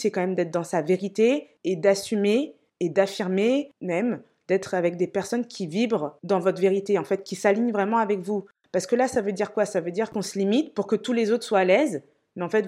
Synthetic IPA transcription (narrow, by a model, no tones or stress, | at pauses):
sɛkɑ̃mɛmd̪ɛt̪χd̪ɑ̃saveʁit̪eː | d̪asymeː | d̪afiʁmemɛm | d̪ɛt̪χavɛk̚d̪epɛʁsɔnkʲivibʁd̪ɑ̃vɔt̪χveʁit̪eɑ̃fɛt̪̚kʲisaliɲvʁɛmɑ̃avɛkvu | paʁsəkəlasavød̪iʁkwasavød̪iʁkɔ̃səlimit̪puʁkət̪ulezot̪χswaːlɛz | mɛɑ̃fɛt̪